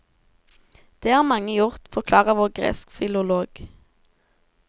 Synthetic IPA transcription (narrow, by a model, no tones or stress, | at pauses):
d̪̥eːhɑːʁmɑŋəjʊʁt̪fɔʁkʰlɑːʁəʋoːʁɡʁḛːskfɪlʊloːɡ̥